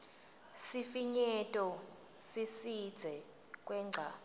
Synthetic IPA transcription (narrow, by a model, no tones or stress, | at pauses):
sifiɲɛtʼɔ | sisid̥z̥ʱɛ | kʼwɛːŋ͡ǀʱaː